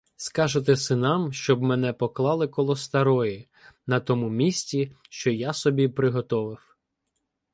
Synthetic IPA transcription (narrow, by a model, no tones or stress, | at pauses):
skɑʒet̪̬ɛsɪnɑmʃt͡ʃɔbmɛn̪ɛpɔklˠɑlˠɪkɔlˠɔst̪ɐɾɔji | nɐt̪ɔmumʲisʲtʲiʃt͡ʃɔjasɔbʲipɾɪɦɔt̪ɔʋɪw